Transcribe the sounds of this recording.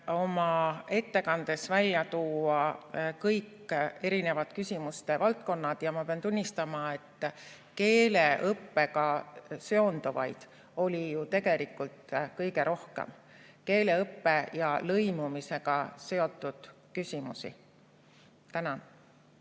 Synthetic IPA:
o̞mɑe̞t̪ːe̞kɑnd̪e̞svælʲːjɑt̪uːɑkɤjkː | e̞ɾine̞vɑt̪kysʲimust̪e̞vɑlt̪ko̞nːɑd̪̥jɑmɑpeɑnt̪unʲːist̪ɑmɑe̞t̪ːˑ | ke̞ːle̞ɤpːe̞kɑse̞o̞nd̪̥uvɑ̰jd̪̥ | o̞lʲijut̪e̞ɡe̞likːˑult̪kɤjɡe̞ɾʔo̞hkḛm | ke̞ːle̞ɤpːe̞jɑlɤjmumise̞ɡ̥ɑse̞o̞t̪ˑːud̪̥ | kysʲimusḭ | t̪ænɑn

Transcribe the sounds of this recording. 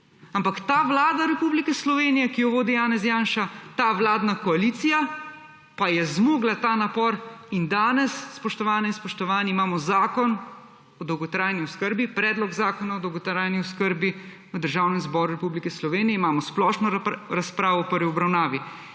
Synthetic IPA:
ampakt̪aːʋlaːd̪aɾɛpublikɛslɔʋeːnijɛkijɔʋoːd̪ijaːnɛzjaːnʃat̪aʋlaːd̪nakɔaliːt̪sija | pajɛzmoɡlat̪aːnapɔɾind̪aːnɛsːpɔʃt̪ɔʋaːnɛinspɔʃt̪ɔʋaːniːmaːmɔzaːkɔn | ɔd̪ɔwɡɔt̪ɾaːjniɔskəɾbipɾɛːd̪lɔɡzaːkɔnaɔd̪ɔwɡɔt̪ɾajniɔskəɾbi | ʋəd̪əɾʒaːwnɛmzbɔɾuɾɛpublikɛslɔʋeːnijɛimaːmɔsplɔːʃnɔɾaspɾaːʋɔpəɾʋiɔbɾawnaːʋi

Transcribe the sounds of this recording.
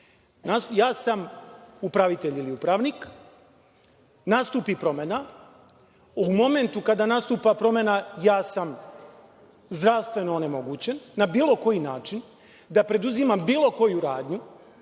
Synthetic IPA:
najaːsamupɾaʋit̪eʎiliupɾaːʋnik | nast̪uːpipɾo̞mena | umo̞me̞nt̪ukad̪anast̪uːpapɾo̞me̞najaːsam | zd̪ɾaʋst̪ʋe̞noone̞mo̞ɡut͡ɕe̞nːabiːlˠo̞ko̞jinaːt͡ʃin | d̪apɾe̞d̪uzimambiːlo̞ko̞juɾaːd̪ɲu

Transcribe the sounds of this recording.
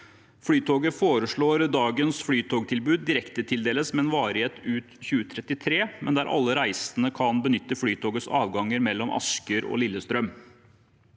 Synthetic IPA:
fɽyːt̪ʰoːɡəfoːɾəʂɭoːɾd̪ɑːɡənsfɽyːt̪ʰoːɡt̪ʰɪlbʉːd̪̚ːɪɾɛkt̪ət̪ʰɪld̪eːləsmɛɛnʋɑːɾheːt̪ʉːt̪çʉːət̪ʰɾɛt̪ːɪt̪ʰɾeːmɛnd̪æɾʔɑ̰lːəɾæɪsənəkʰɑnbənʏt̪ːəfɽyːt̪ʰoːɡəsɑ̰ːʋɡɑŋːəɾmɛlːɔmʔɑ̰skəɾɔ̰lɪlːəst̪ɾœm

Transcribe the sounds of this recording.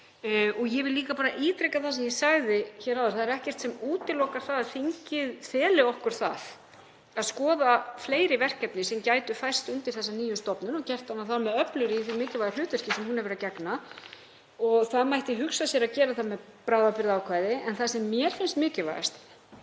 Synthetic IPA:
ɔɣjɛvɪlliːkapaːɾaʔiːt̪ɾejkaθas̬ɛmjɛsaɣðɪçɛːɾawðʏɾ̥θaðɛɾɛhcɛr̥t̪sɛmuːt̪ɪlɔkaɾ̥θaðaðθiɲcɪðfɛːlɪɔhkʏɾ̥θa̰ð | aðskɔːðafleːjɾɪvɛr̥kcɛpnɪsɛmcaːjt̪ʏfajr̥st̪ʏnt̪ɪɾ̥θɛsːaniːjʏst̪ɔpnʏnɔcɛr̥t̪anːaθamɛðœplʏɾiːθimɪːcɪvajalʏːt̪ʏr̥cɪsɛmhunhɛvɾacɛkna | ɔɣθaðmajht̪ɪɦʏksasjɛɾacɛːɾaθaðmɛð | pɾaːwðapɪɾðaːwkʰvaːjðɪɛnθasɛmːjɛɾ̥fɪnst̪mɪːcɪva̰ja̰st̪

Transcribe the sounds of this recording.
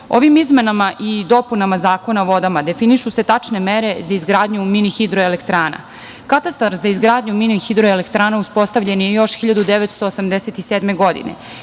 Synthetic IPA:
o̞̰ʋimizme̞namaʔid̪o̞punamazaːko̞naʋo̞d̪amad̪e̞finiʃuse̞t̪at͡ʂne̞meɾe̞zaizɡɾaːd̪ɲuminixid̪ɾoelekt̪ɾaːna̰ | kat̪ast̪aɾzaizɡɾaːd̪ɲuminixid̪ɾoelekt̪ɾaːnauspo̞st̪aʋʎe̞njejo̞ʃxiʎad̪ud̪eʋet̪st̪oːsamd̪eset̪iseːd̪me̞ɡo̞d̪ḭnḛ

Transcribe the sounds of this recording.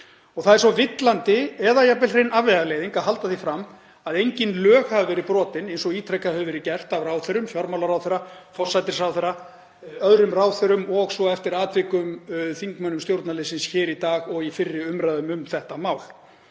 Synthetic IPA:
ɔɣθaðɛɾ̥svɔvɪt̪lant̪ɪɛðajapvɛlrejnavɛɣalejðiŋkaɦal̪t̪aθifɾamː | aðejɲcɪnlœːɣhavɪvɛːɾɪpɾɔːt̪ɪnejnsɔɣiːt̪ʰɾɛkaðhœvʏvɛɾɪcɛr̥t̪avraːwθœɾʏmfjɔɾmawlaɾawθɛɾafɔrsːajt̪̬ɪɾ̥sawθɛɾa | œðɾʏmraːwθœɾʏmɔɣsɔɛft̪ɪɾaːt̪vɪkʏmθiŋkmœnʏmst̪jowɾt̪nalɪsɪnsçɪːɾit̪aːɣɔɣifɪrːɪʏmɾaðʏmʏmθɛht̪amaːwl̥

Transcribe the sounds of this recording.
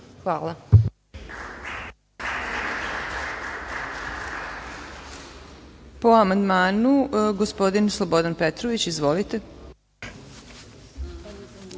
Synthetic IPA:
xʋaːla | po̞amand̪maːnuɡospo̞d̪inslˠobo̞d̪anpet̪ɾoʋit͡ɕizʋo̞lit̪e

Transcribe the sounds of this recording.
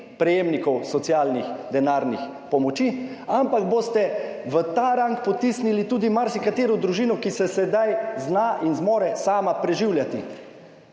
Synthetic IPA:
pɾɛjeːmnikɔwsɔt̪sijaːlnixd̪ɛnaːɾnix | pɔmɔt͡ʃiampaɡboːst̪ɛʋət̪aːɾaŋkpɔt̪isnilit̪uːd̪imaɾsikat̪eːɾɔd̪ɾuʒiːnɔkisɛsɛd̪ajznaʔinzmɔːɾɛsaːmapɾɛʒiwljat̪ḭ

